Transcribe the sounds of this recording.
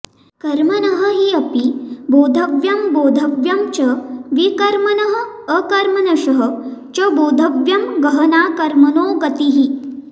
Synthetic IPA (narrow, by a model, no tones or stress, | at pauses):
kɐɾmɐnɐɦə̆ɦiɐpiboːd̪ʱɐʋjɐmboːd̪ʱɐʋjɐmt͡ʃɐʋikɐɾmɐnɐɦə̆ː | kɐɾmɐnɐʃɐɦə̆t͡ʃɐboːd̪ʱɐʋjɐmɡɐɦɐnaːkɐɾmɐnoːɡɐt̪iɦi